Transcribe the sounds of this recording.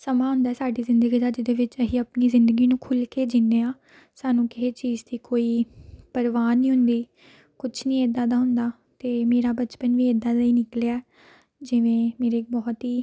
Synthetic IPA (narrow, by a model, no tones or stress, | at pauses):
səmaːɦʊ̃nd̪aːsaːɖiːzɪ̃nd̪əɡiːd̪aːd͡ʒɪd̪eːʋɪt͡ʃəɦiːəpniːzɪ̃nd̪əɡiːnũːkʰʊlkeːd͡ʒɪnːeːãː | saːnũːkɪɦeːt͡ʃiːzd̪iːkoːiːpəɾʋaːnĩːɦʊ̃nd̪iː | kʊt͡ʃʰnĩːed̪ːãːd̪aːɦʊnd̪aː | t̪eːmeːɾaːbət͡ʃpənʋiːed̪ãːləiːnɪkleaɛː | d͡ʒɪʋẽːmeːɾeːk̚bɔːt̪iː